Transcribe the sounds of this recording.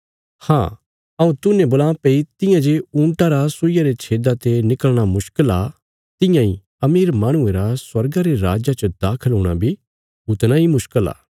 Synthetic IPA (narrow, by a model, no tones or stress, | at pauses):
hã̰ː | ɐũt̪ʊnẽboːlãːpeit̪ɪ̃jãd͡ʒeũːɳʈaɾasʊɪjaɾet͡ʃʰeːd̪at̪enɪkəɭɽ̃amʊʃkəla | t̪ɪ̃jãḭ | ɐmiːɾmaːɽ̃ʊ̃ẽɾaswɐɾɡaɾeɾa̰ːd͡ʒat͡ʃəd̪aːkʰəlɦoːɽ̃a̰bʱi | ɦʊt̪naimʊʃkəla̰ː